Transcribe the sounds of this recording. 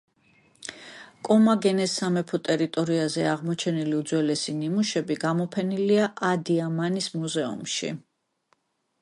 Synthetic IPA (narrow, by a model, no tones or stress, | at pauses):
kʼɔmaɡɛnɛsamɛpʰɔt̪ʼɛɾit̪ʼɔɾiazɛaʁmɔt͡ʃʰɛniliud̪zwɛlɛsinimuʃɛbiɡamɔpʰɛniliaʔad̪iamanismuzɛṵmʃḭ